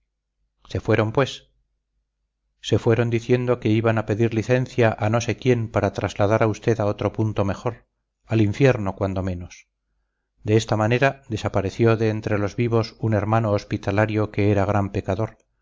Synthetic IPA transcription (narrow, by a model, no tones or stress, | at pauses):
se̞fwe̞ɾo̞mpwe̞s | e̞fwe̞ɾo̞nd̪iθje̞nd̪o̞ke̞iβanape̞ðiɾliθe̞nθjaʔano̞se̞kje̞mpaɾat̪ɾazlað̞aɾaust̪e̞ðao̞t̪ɾo̞punt̪o̞me̞χo̞ɾ | aliɱfje̞ɾno̞kwand̪o̞mẽ̞no̞s | d̪eest̪amane̞ɾaðe̞sapaɾe̞θjo̞ðe̞ːnt̪ɾe̞lo̞zβiβ̞osune̞ɾmano̞ːspit̪alaɾjo̞ke̞eɾaɣ̞ɾampe̞kaðo̞ɾ